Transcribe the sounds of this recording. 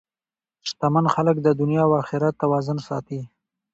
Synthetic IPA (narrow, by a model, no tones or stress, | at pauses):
ʃt̪amanxalək̚d̪əd̪ʊnjɑwɑxɪɾat̪ːawɑzʊnsɑ̰t̪i